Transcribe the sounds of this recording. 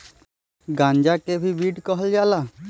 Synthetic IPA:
ɡãɲd͡ʒakebʱibiɖkɔɦɔld͡ʒala

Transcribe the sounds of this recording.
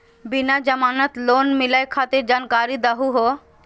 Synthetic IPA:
binad͡ʑɐmanat̪lonmilajkʰat̪iɾd͡ʑankaɾid̪aɦuɦo

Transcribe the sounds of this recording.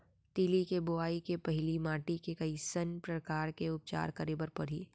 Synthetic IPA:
t̪iːlikebʊaːikepɐɦɪlimaːʈikekɐisənpɾəkaːɾkeʊp̚t͡ʃa̰ːɾkɐɾiːbəɾpɐɽ̤iː

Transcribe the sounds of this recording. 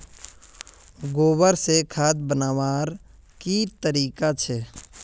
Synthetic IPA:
ɡoːwəɾsekʰaːd̪̚bənaːʋaːɾ | kit̪əɾiːkat͡ʃʰɛː

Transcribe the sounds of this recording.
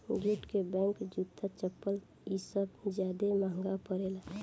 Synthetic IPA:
d͡ʒuʈkebɛ̃ŋkd͡ʒut̪ʰːat͡ʃəpːəl | isəbd͡ʒjaːd̪emaɦəŋɡapəɾela

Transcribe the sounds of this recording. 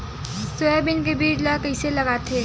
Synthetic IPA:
sojabinkebiɽlʌkəjselʌɡat̪ʰe

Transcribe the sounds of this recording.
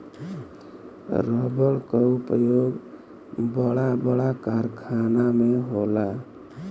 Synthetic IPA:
ɾəbəɭkəupəjoɡ | bəɽabəɽakaɾkʰanameɦola

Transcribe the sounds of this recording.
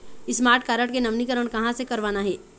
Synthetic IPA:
ɪsmaːɾʈ̚kaːɾəʈkenɐʋnikəɾəɳ̃kɐɦãsekɐɾʋaːnaɦɛː

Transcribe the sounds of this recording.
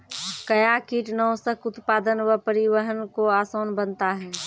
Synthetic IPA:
kɐjakiːʈnɔːsəkʊt̪paːd̪ənwəpəɾɪwəɦənkoaːsoːnbənt̪aɦɛː

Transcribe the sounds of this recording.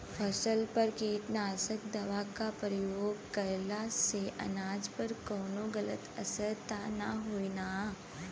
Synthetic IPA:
pʰəsəlpɐɾkiːt̪naːsəkd̪ɐʋakapɾəjoːɡkɐjlaseʔɐ̰naːd͡ʒpɐɾkɔːnoɡɐlət̪ɐsəɾt̪anaɦoːina

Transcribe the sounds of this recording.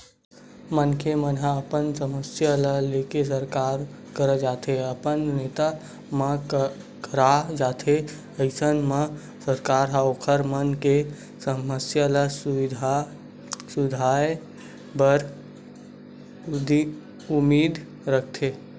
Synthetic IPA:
mənkemənɦaəpənsəməsjaləleːkes̬əɾkaːɾ | kəɾəd͡ʒaːt̪ɦeəpənneːt̪a | mə̃ | kəɾad͡ʒaːt̪ʰe | əɪsənmə̃ | səɾkaːɾɦaokʰəɾmənke | səməsjaləsʊɪd̪ʱa | sʊd̪ʱaːe | bəɾ | d̪i | ʊmiːd̪ | ɾək̚ʰt̪ʰe

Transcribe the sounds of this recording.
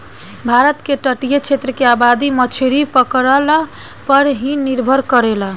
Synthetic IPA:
bʱaɾət̪keʈəʈijet͡ʃʰet̪ɾəkeabad̪imət͡ʃʰeɾipəkɾəla | pəɾɦĩniɾbʱəɾkəɾela

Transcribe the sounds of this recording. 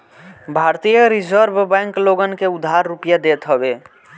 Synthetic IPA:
bʱaɾt̪ijəɾid͡ʒəɾbʱbɛ̃ŋkloɡənkeud̪ʱɦaɾːupijad̪et̪ɦəbe

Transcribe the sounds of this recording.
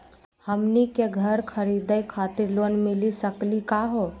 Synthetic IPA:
həmnikeɡʱəɾkʰəɾid̪əjkʰat̪iɾlonmɪlisəklikaɦo

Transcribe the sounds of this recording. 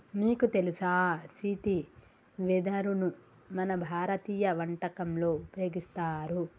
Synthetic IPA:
miːkut̪elisaːsiːʈi | ʋid̪ɐɾunu | mɐnɐbʱaːɾɐt̪iːjɐʋɐɳʈɐkɐmlo̞ːupɐjo̞ːɡist̪aːɾu

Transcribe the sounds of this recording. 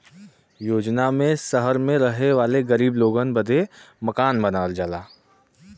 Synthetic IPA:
joːd͡ʒnamẽsɐɦəɾmẽɾɐɦeʋaːleɡɐɾiːbloːɡənbɐd̪ʱe | mɐkaːnbɐnaːld͡ʒaːlaː

